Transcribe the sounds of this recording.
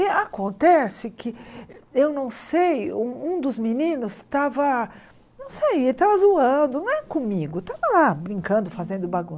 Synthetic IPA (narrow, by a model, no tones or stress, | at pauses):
ɪakõnt̪ɛsɪkʰɪewnɐ̃w̃sejũũd̪ʊzminĩnʊst̪avɐ | nɐ̃w̃sejelɪt̪avɐzuɐ̃d̪ʊnɐ̃w̃ɛkõmiɡʊt̪avɐlabɾĩŋkɐ̃nd̪ʊfazẽnd̪ʊbaɡũs